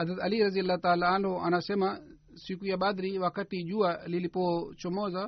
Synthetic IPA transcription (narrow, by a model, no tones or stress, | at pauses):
ɦɐzɾɐt̪ɐliɾɐzijɐlːat̪aːlaanɦoʔɐnaseːmɐ | sikujaɓaːd̪ɾiʋaːkɐt̪id͡ʒualilipot͡ʃomoːzɐ